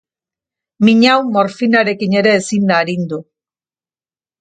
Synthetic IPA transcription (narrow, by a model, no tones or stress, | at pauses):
miɲawmo̞ɾfinaɾe̞kine̞ɾe̞ːsind̪aːɾind̪u